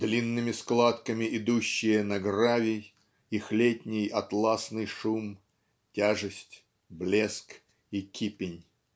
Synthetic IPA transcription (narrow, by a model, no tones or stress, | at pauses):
d̪lʲinːɨmʲɪsklˠat̪kəmʲɪʔɪd̪uɕːɪjənɐɡravʲɪj | ixlʲetʲnʲɪjɐt̪lˠasnɨjʂum | tʲaʐɨsʲtʲ | blʲesk | ikʲipʲɪnʲ